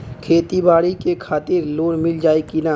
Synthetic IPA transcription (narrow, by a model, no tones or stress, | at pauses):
kʰeːt̪ibaːɽikekʰaːt̪ɪɾloːnmɪld͡ʒaːekina